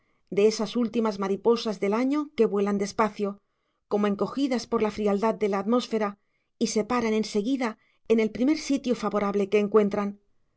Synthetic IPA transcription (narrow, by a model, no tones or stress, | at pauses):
d̪e̞e̞sasult̪imazmaɾipo̞sazðe̞laɲo̞ke̞βwe̞land̪e̞spaθjo̞ | ko̞moe̞ŋko̞xiðaspo̞ɾlafɾiald̪að̚d̪e̞laːt̪mo̞sfe̞ɾa | ise̞paɾanẽ̞nse̞ɣiða | e̞ne̞lpɾime̞ɾsit̪jofaβo̞ɾaβle̞ke̞ːŋkwe̞nt̪ɾan